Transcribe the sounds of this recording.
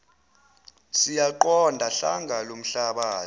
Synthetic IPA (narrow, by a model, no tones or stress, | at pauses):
sijaǃɔndʱaɬa̰ŋɡʱalom̩ɬaɓaː